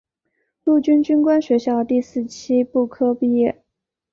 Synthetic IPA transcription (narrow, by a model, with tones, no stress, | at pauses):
lu˥˩t͡ɕy˥nt͡ɕy˥nkwa˥nɕɥɛ˧˥ɕjɑ˥˧ʊt̪i˥˧sɹ̩˥˩t͡ɕʰi˥pu˥˩kʰɤ˥pi˥˧jɛ˥˩